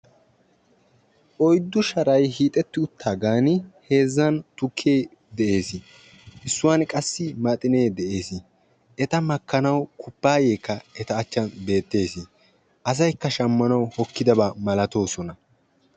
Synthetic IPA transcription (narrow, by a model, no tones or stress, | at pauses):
ʔɔjd̪ːʊʃɐɾɐjɦiːt̪ʼɛt̪ːɪʊt̪ʰːaːɡaːnɪhe̞ːzːɐnt̪ʊkʰːeː | d̪ɛʔe̞ːsɪ | ʔɪsːʊwaːnkʼɐsːɪmɐt̪ʼɪne̞ːd̪ɛʔe̞ːsɪ | ɛt̪ɐmɐkːɐnɐwkʰʊpːaːjeːkːɐɛt̪ɐːt͡ʃːɐnbe̞ːt̪ːe̞ːsɪ | ʔɐs̬ɐjkːɐʃɐmːɐnɐwhɔkːɪd̪ɐbaːmɐlɐt̪o̞ːsɔnɐ